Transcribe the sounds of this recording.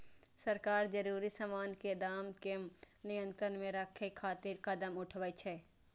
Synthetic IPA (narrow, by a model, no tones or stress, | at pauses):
sɐɾkaːɾd͡ʒɐɾuːɾisəmaːnked̪aːmke | nɪjə̃nt̪ɾənmẽɾɐkʰekʰːaːt̪ɪɾkɐd̪əmʊʈʰʋət͡ʃʰɛː